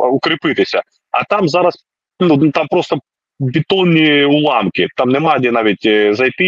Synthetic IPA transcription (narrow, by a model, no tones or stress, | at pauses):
ʊkɾʲɪpɨt̪ɪsʲɐ | ɐ̰t̪amzaɾɐs | nut̪ampɾost̪ɐ | bʲɪt̪onʲːiʊlˠamkʲɪt̪amnɛmadʲɪnaʋʲɪtʲzɐjt̪ɨ